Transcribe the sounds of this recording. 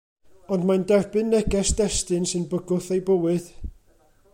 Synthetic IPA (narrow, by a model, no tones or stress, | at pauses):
ɔndmandɛrbɨnːɛɡɛsd̥ɛstɨnsɨnbəɡʊθejbəwɨð̥